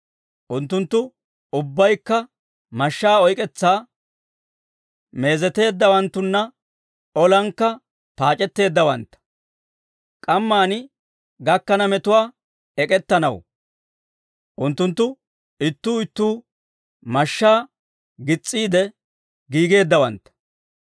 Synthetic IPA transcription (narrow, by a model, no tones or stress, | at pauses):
ʔʊnt̪ːʊnt̪ːʊ | ʊbːɐjkːɐ | mɐʃːaːɔjkʼɛt͡sːaː | me̞ːzɛt̪e̞ːd̪ːɐwɐnt̪ːʊnːɐ | ɔlɐŋkːɐ | paːt͡ʃʼɛt̪ːe̞ːd̪ːɐwɐnt̪ːɐ̥ | kʼɐmːaːnɪ | ɡɐkːɐnɐmɛt̪ʊwaː | ɛkʼɛt̪ːɐnɐ̰w | ʔʊnt̪ːʊnt̪ːʊ | ɪt̪ːuːɪt̪ːuː | mɐʃːaː | ɡɪt͡sʼːiːd̪ɛ | ɡiːɡe̞ːd̪ːɐwɐ̰nt̪ːɐ̥